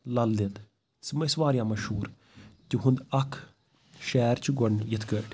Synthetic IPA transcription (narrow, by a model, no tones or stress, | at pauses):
lɐld̪id̪ | smsʋaːɾʲjãːmɐʃhuːɾ | t̪ʲiɦʊnd̪ɐkʰ | ʃɛːɾt͡ʃʰiɡɐnjɪt̪ʰkəʈʲ